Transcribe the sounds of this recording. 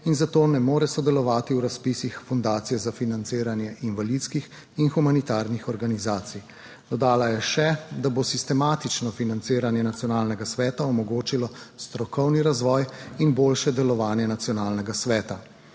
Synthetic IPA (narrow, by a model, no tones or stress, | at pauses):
inzat̪oːnɛmoːɾɛsɔd̪ɛlɔʋaːt̪iwɾaspiːsixfund̪aːt̪sijɛzafinant̪seːɾanjɛʔinʋalit̪skix | inxumanit̪aːɾnixɔɾɡanizaːt̪sij | d̪ɔd̪aːlajɛʃɛd̪abosist̪ɛmaːt̪it͡ʃnɔfinant̪seːɾanjɛnat̪sijɔnaːlnɛɡasʋɛːt̪aɔmɔɡoːt͡ʃilɔst̪ɾɔkɔwniɾazʋɔːjinboːlʃɛd̪ɛlɔʋaːnjɛnat̪sijɔnaːlnɛɡasʋɛːt̪a